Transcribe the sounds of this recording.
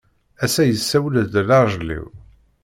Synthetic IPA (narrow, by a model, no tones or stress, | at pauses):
æsæjəsːæwlðdlɑɾˤʒlḭw